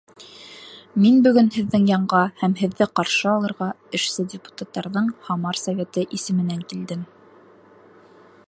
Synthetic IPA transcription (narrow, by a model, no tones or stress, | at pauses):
minbɵ̆ɡɵnhɘ̆ðːɘŋjɑɴɢɑhæmɦɘ̆ðːɘqɑɾʃɤɑlˠɤ̆ɾʁɑ | ɘ̆ʃsɘdʲɪpu̥t̪at̪ːɑɾðɤɴhɑmɑɾsɐvʲet̪ɤʔisɘ̆mɘ̆næŋkild̪ɘm